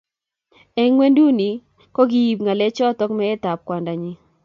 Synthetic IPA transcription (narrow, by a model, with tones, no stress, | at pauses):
ɛ˦ŋwe˦ndu˦ni˨ | kɔ˦ɡi˦ji˨pŋa˨lɛ˦t͡ʃɔ˦t̪ɔ˦kmɛ˦ɛ˦t̪a˨p̚kwa˨nda˨ɲi˦